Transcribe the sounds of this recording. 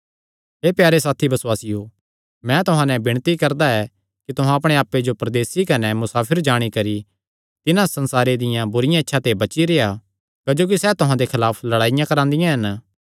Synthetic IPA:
ɦeːpjaːɾesaːt̪ʰibɐswaːsijo | mɛ̃t̪ʊɦãnɛ̃bɪɽ̃t̪ikɐɾd̪aɛ | kit̪ʊɦãɐpɽ̃eaːpːed͡ʒopɾɐd̪eːsikɐnɛmʊsaːpʰɪɾd͡ʒaːɽ̃ikɐɾi | t̪ɪnãsɐ̃nsaːɾed̪ɪjãbʊɾɪjãɪtːʃʰat̪ebɐt͡ʃiɾeːja | kɐd͡ʒoːk̬isɛt̪ʊɦãd̪ekʰɪlaːpʰlɐɽaːɪjãkɐɾãːnd̪ɪjãɦɐn

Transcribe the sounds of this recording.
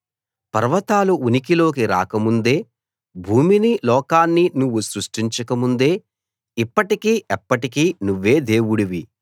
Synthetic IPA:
pɐɾʋɐt̪aːluunikilo̞ːk̬iɾa̰ːkɐmund̪e̞ː | bʱuːminilɔːkaːnːinuʋːusɾuʂʈiɲt͡ʃɐkɐmund̪e̞ː | ipːɐʈikiːʔɛpːɐʈikiːnuʋːe̞ːd̪e̞ːwuɽiʋi

